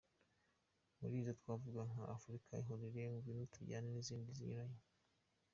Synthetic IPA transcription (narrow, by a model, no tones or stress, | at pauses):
muɾiːzotwaːvuɡaŋaʔafuɾikʰaiɦoɾiɾeŋuvinutʰuɟa̰neniziːndizḭɲuɾajo